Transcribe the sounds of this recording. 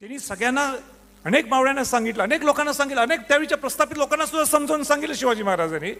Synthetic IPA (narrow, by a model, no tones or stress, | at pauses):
t̪jañiːsəɡɭjanːa | ənekmaʋɭjanːasãŋɡit̪laəneklokanːasãŋɡit̪laənek̚t̪jaʋeɭit͡ɕjapɾəst̪apit̪lokanːasud̪ʱːasəmd͡zəuːnsãŋɡit̪ləɕiʋad͡ʑiːməɦaɾad͡zani